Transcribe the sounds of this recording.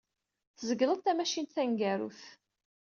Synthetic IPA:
θəzəɡlət̪æmæʃint̪θæŋɡæɾṵθ

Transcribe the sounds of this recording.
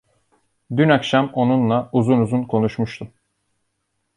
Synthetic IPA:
d̪ynakʃamo̞nunlˠauzunuzunkʰo̞nuʃmuʃt̪ʰum

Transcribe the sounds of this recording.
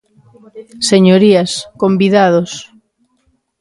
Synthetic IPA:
seɲoɾiaskombiðaðos

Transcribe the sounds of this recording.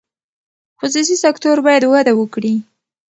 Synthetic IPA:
xʊs̬us̬isakt̪oɾbɑjad̪wad̪awəkɽi

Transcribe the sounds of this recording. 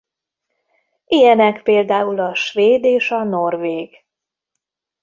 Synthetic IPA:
ʔijɛnɛkpeːld̪aːulɒʃveːd̪eːʃɒnorveːɡ

